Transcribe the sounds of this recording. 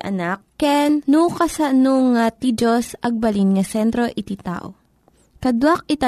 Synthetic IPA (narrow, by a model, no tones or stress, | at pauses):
ʔɐ̰nak̚kɛnnukɐsɐnoŋːat̪id͡ʒosʔɐɡ̚bɐlinŋɐsɛnt̪ɾoʔɪt̪it̪a̰ʔo̰ | kɐd̪wak̚ʔɪt̪a